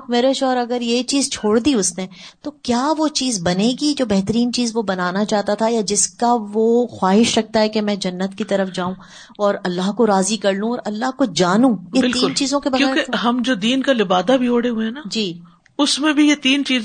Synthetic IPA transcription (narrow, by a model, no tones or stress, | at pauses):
kmeːɾeʃɔːɾɐɡəɾjet͡ʃiːzt͡ʃʰoːɽd̪iʊsnet̪okjaːʋot͡ʃiːzbɐneɡid͡ʒoːbɛɦt̪əɾiːnt͡ʃiːzʋobɐnaːnat͡ʃaːɦt̪at̪ʰajad͡ʒɪskaʋoxwaːɦɪʃɾɐk̚t̪aɦɛkemɛ̃ːd͡ʒɐnːət̪kit̪ɐɾəfd͡ʒaːũ | ɔːɾɐlːaɦkoɾaːzikɐɾlũɔːɾɐlːaɦkod͡ʒaːnũːebɪliːʊːnt͡ʃiːzõkebɐɣjõɛɾːkeɦɐmd͡ʒoːd̪iːnkalɪbaːd̪abʱioːɽeɦueɛnad͡ʒiː | ʊsmẽbʱijet̪iːnt͡ʃiːz